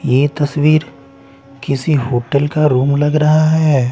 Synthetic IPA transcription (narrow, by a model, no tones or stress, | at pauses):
jeːt̪ɐswiːɾ | kɪsiɦoːʈəlkaɾuːmlɐɡɾɐɦaɦɛɛː